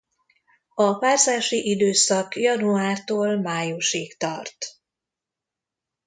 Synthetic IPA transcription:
ɒpaːrzaːʃiʔid̪øːsɒkjɒnuaːrt̪oːlmaːjuʃiːkt̪ɒrt̪

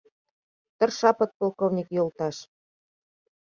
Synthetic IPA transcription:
t̪ə̆rʃɑpɤ̆t̪̚polˠkovnʲikjolt̪ɑʃ

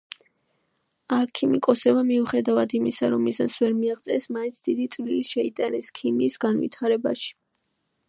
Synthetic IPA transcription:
aɾkʰimikʼɔsɛbamiuχɛd̪avad̪imisaɾɔmːisansvɛɾmiaʁt̪sʼɛsmaintsʰd̪id̪it̪sʼvliliʃɛit̪ʼanɛskʰimiːsɡanvḭt̪ʰaɾɛba̰ʃi̥

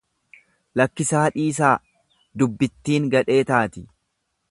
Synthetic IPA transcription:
lɐkːɪsaːᶑiːs̬aː | d̪ʊbːɪt̪ːiːŋɡɐᶑe̞ːt̪aːt̪ɪ

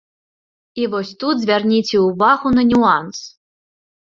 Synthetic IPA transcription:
ivɔsʲt̪ud̪zʲvʲarnʲit͡sʲɛuvaɣunɐnʲuans

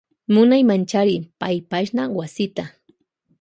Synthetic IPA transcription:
mʊnajmant͡ʃaɾɪpajpaʃnawasɪt̪a

